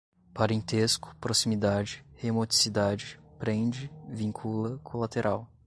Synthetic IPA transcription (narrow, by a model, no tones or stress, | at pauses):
paɾẽnt̪eskʊ̥pɾosimid̪ad͡ʒɪhemot͡ʃi̥sid̪ad͡ʒɪpɾẽd͡ʒɪvĩŋkʰulɐkʰolat̪eɾʔaw